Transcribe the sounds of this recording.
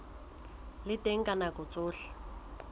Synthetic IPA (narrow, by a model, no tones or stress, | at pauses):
lɪtʼeŋ̩kʼanakʼʊt͡sʼʊːɬḁ